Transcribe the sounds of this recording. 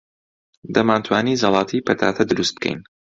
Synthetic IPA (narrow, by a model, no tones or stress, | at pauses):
d̪ɐmaːnt̪ʰwaːnizɑlˠɑːt̪ʰiːpʰɐt̪ʰa̰ːt̪ʰɐd̪ɨɾust̪̚b̥̚kʰɛ̰jn